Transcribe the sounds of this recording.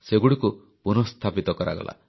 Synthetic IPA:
seɡuɽiku | punɔst̪ʰapit̪ɔkɔɾa̰ɡɔ̰la̰

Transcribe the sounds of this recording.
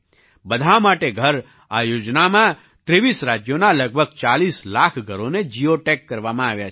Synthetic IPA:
bəd̪ʱamaʈeɡʱəɾ | ajoːd͡ʒnamã | ʈ̪ɾeʋiːsɾaːd͡ʒjonaləɡ̚bʱəɡ̚t͡ʃaːliːslaːkʰɡʱəɾoned͡ʒijoʈekːəɾʋamãaːʋjat͡ʃ

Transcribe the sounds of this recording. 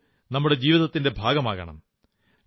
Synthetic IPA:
nɐmːuɽe̞d͡ʑiːʋiðɐt̪ːinde̞bʱaːɡɐmaːɣɐ̰ɳɐ̰m

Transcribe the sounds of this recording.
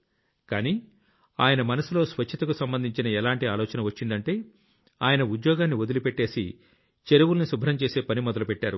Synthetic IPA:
kaːniː | aːjɐnɐmɐnɐsulo̞ːsʋɐt͡ʃʰɐt̪ɐkusɐmbɐnd̪ʱiɲt͡ʃinɐɛlaːɳʈiaːlɔːt͡ʃɐnɐʋɐt͡ʃːind̪ɐɳʈe̞ː | aːjɐnɐud̪jɔːɡaːnːiʋod̪ulupeʈːe̞ːsḭ | t͡ʃeɾuʋulɐnisubʱɐɾɐmt͡ʃe̞ːse̞ːpɐnimɔd̪ɐlupeʈːaːɾu

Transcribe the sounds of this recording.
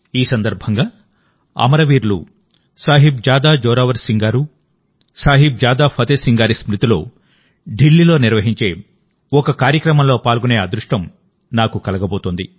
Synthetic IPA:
iːsɐnd̪ɐɾbʱɐŋɡaː | ɐ̰mɐɾɐʋiːɾlṵ | saːɦib̚d͡ʒaːd̪aːd͡ʒɔːɾaːʋɐɾsiŋɡaːɾu | saːɦib̚d͡ʒaːd̪aːpʰɐt̪eːsiŋɡaːɾismɾut̪ilo̰ː | ɖilːilo̞ːniɾʋɐɦiɲt͡ʃe̞̰ː | ɔkɐkaːɾjɐkɾɐmɐmlo̞ːpaːlɡune̞ːɐd̪ɾuʂʈɐm | naːkukɐlɐɡɐbo̞ːt̪ond̪i

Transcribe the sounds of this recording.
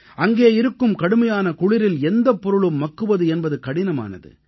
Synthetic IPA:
ʔɐŋɡeːɪɾɯkːɯmkɐɽɯmɐjaːnɐkʊɻɪɾɪlɛnd̪ɐpːɔɾɯɭɯmːɐkːɯʋɐðɯɛnbɐðɯkɐɽɪnɐma̰ːnɐ̰ðɯ̰

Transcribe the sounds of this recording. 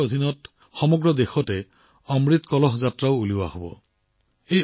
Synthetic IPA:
od̪ʱinɔt | xɔmɔɡɹɔd̪exɔte | ɔmɹit̪kɔlɔɦzatɾawuliwahobɔ̰ | ej

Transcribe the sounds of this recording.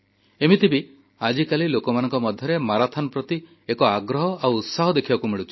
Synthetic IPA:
emit̪ʰibi | ad͡ʒikalilokɔmanɔ̃ŋkɔmɔd̪ʱjɔɾemaɾat̪ʰɔnɔpɾɔt̪i | ekɔaɡɾɔɦɔawːt̪saɦɔd̪ekʰibakumiɭut͡ʃʰi̥

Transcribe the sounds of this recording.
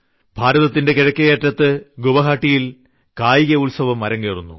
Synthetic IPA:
bʱaːɾɐðɐt̪ːinde̞kiɻɐkʲːɐjeːʈrɐt̪ːɨɡoʋɐɦaːʈːijil | kaːjiɣɐulsɐʋɐmːɐɾɐŋkeːrunːṵ

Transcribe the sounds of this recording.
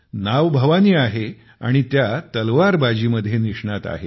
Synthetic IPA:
naʋbʱəʋaniːaɦe | a̰ɽ̃it̪jat̪əlʋaɾbad͡ʑiːməd̪ʱːjeniʂɳat̪a̰ɦe

